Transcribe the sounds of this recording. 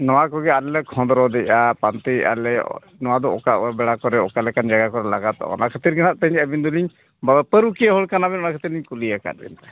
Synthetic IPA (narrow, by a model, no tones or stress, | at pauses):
nɔwakɔɡɛalɛlɛkʰɔ̃nd̪ɾɔd̪ɛʔapant̪ia̰lɛ̰ | nɔwad̪ɔɔ̰kaʔɔɛbɛɽakɔɾɛɔkalɛkand͡ʒaɡakɔɾɛlaɡat̪ɔ̰ɔ̰nakʰət̪iɾɡɛnaʔ̚t̪əɲəbind̪uliɲ | babɛpəɾukijaɦɔɭkanabɛnɔnakʰət̪iɾliɲkulijaka̰t̪̚bɛ̰nt̪ɛ